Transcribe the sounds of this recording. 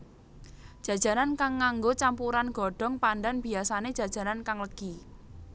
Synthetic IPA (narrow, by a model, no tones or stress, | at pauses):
d̥ʒ̥ä̤d̥ʒ̥a̤ɾankaŋːaŋɡot͡ʃampuɾanɡ̥ɔ̤ɖ̥ɔ̤ŋpandanb̥iasane̥ʒ̥ä̤d̥ʒ̥a̤ɾankaŋləɡ̥i